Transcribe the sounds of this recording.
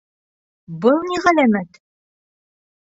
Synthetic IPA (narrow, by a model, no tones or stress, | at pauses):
bɤlˠniʁælæmæt̪